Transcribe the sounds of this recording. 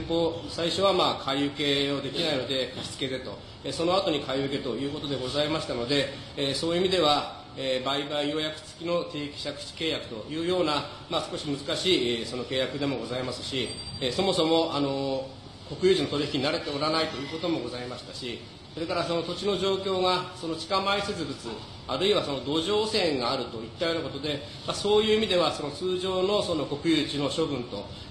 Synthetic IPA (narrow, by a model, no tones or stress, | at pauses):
po̞ːsaiɕo̞β̞amaːkʰaiɯ̟ke̞od̪e̞kʲinaino̞d̪e̞kaɕi̥t͡sɨ̥ke̞d̪et̪o̞̰ | eso̞no̞at̪o̞ɲ̟ikaiɯ̟ke̞t̪o̞jɯ̟ːko̞t̪o̞d̪eɡo̞zaimaɕi̥t̪ano̞d̪e̞ | so̞ːiɯimʲid̪e̞βa | ebaibaijo̞jakɯ̟̥t͡sɨ̥kʲino̞t̪e̞ːkʲi̥ɕakɯ̟̥t͡ɕi̥ke̞ːjakɯ̟̥t̪o̞jɯ̟ːjo̞ːna | maːsɨ̥ko̞ɕimɯzɨkaɕiːso̞no̞ke̞ːjakɯ̟d̪e̞mo̞ɡo̞zaimasɨ̥ɕieso̞mo̞somo̞ʔano̞ | ko̞kɯ̟jɯːt͡ɕino̞t̪oɾiçkʲiɲ̟inaɾe̞t̪e̞o̞ɾanait̪o̞jɯ̟ːko̞t̪o̞mo̞ɡo̞zaimaɕi̥t̪aɕi | so̞ɾe̞kaɾaso̞no̞t̪o̞t͡ɕino̞ʑo̞ːkʲo̞ːɡaso̞no̞t͡ɕi̥kamaiset͡sɨbd͡zɨt͡sɨ | aɾɯ̟iβaso̞no̞d̪o̞ʑo̞ːsẽ̞ŋɡaːɾɯ̟t̪o̞it̪ːajo̞nakot̪o̞d̪e̞ | maso̞ːjɯːimʲid̪e̞βaso̞no̞t͡sɨːʑo̞ːno̞so̞no̞ko̞kɯ̟jɯːt͡ɕino̞ɕo̞bɯ̟̃nt̪o̞̰